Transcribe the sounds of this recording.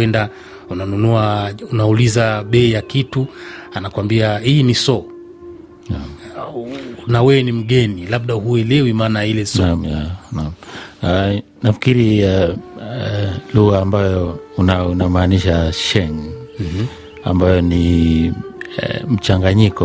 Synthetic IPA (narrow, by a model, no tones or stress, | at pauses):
wɛnda | unanunuaunaulizaɓɛijakituanakwambiahinisɔ | na | nawɛwɛnim̩ɠɛnilaɓ̚ɗahuɛlɛwimaːnailɛsɔamjanama | nafi̥kiɾi | luɣaːmbajɔunaunamaːniʃaʃɛn̩ | a̰mbajɔni | m̩t͡ʃaŋɡaɲikɔ